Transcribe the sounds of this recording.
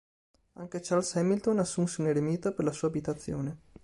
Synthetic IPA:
a̰ŋk̟et͡ʃarlsɛmilt̪onasːunseuneɾemiːt̪operlasuːaːbit̪at̪sːjo̰ːne

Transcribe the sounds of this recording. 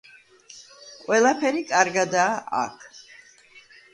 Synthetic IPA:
qʼwɛlˠapʰɛɾikʼaɾɡad̪aːʔa̰kʰ

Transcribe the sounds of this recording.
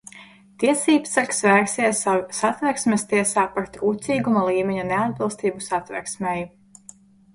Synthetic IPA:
t̪iɛsiːbsaksvæːksiɛsasat̪vɛksmʲest̪iɛsaːpaɾt̪uːt̪sʲiːɡumalˠiːmʲeɲunead̪̚bɨlˠst̪iːbusat̪vɛ̰ɾsmɛj

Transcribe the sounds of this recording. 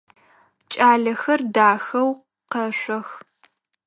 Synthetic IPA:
t͡ʃʼaːɮɐxɐrdaːxɐw | qɐɕʷɐx

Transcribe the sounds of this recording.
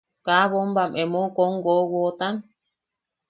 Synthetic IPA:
kaβombamʔemokoŋɡowot̪an

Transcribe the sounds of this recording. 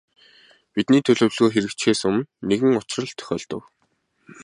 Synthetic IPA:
pit̪niːt̪ʰɵɮɵ̆wɮɣoːxeɾɘ̆kt͡ɕxeːsʊmneɣɘ̆ŋʊt͡ɕ̆rə̆ɮt̪ʰœ̥xʲœ̰ːɮt̪ə̆w

